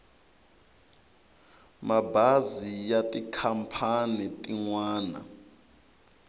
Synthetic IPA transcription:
mabʱazijatʼikʰampʰanitʼiŋwaːna̰

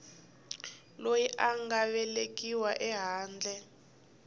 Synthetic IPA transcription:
lojiʔaŋɡaβɛlek̬ʼiwaʔɛɦaːnd͡ɮʱɛ

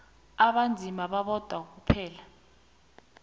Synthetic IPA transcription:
aɓand͡zʱimaɓaɓɔd̥ʱwak̬upʰɛːla

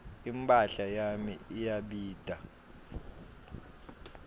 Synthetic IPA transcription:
impʼaɬajamiijaɓiːd̥ʱa

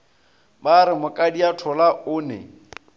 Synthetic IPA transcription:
baɾɪmʊkʼadiatʰɔlaʊːnɛ̰

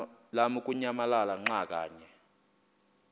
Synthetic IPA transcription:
lamuk̬ʼuɲamalalaŋ͡ǁak̬ʼa̰ːɲɛ

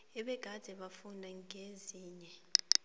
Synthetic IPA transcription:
ɛɓɛɡ̥ʱad̥ʱɛɓafundʱaŋeziːɲɛ

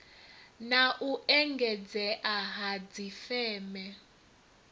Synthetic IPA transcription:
naʔuʔɛŋɡʱɛd͡zɛʔaɦad͡zifɛːmɛ

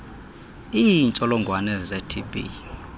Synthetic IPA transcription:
int͡ʃʼɔlɔŋɡʱwanɛzɛtʰibḭ

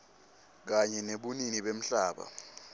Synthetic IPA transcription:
k̬aɲɛneɓuniniɓem̩ɬaːɓa̰

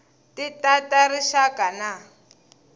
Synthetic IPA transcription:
titataɾiʃakana

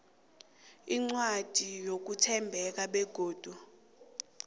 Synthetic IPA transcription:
iŋ͡ǀwad̥ʱijok̬utʰɛmbʱɛk̬aɓɛɡ̥ʱoːd̥ʱu

